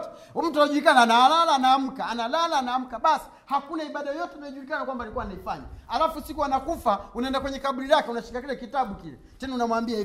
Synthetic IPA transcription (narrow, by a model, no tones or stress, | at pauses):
tɛ | ɔm̩tuanaʄulikanaːnaalalaːnaːm̩kaːnalalaːnaːm̩kaɓasi̥hakunaiɓaɗaɔjɔtɛmaʄulikanakwambalikuwanaifaɲa̰alafusikuwanakufaunaɛndakwɛɲɛkaɓuɾilakɛunaʃi̥kakilɛkitaɓukilɛ | tɛnɛunamwambiai